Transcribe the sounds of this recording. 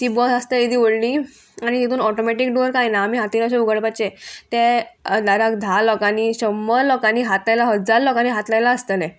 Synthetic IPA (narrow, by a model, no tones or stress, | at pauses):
t̪iːbɔsast̪eid̪iːʋəɽli | aɽ̃it̪it̪uːnɔʈomɛʈikɖoɾkajnaːmiɦat̪inɔɕeuɡəɽpat͡ɕet̪ed̪aɾakd̪ʱalɔkaniːɕəmːəɾlɔkaniːɦat̪lajlaɦəd͡zaɾlɔkaniɦat̪lajlaəst̪əlɛ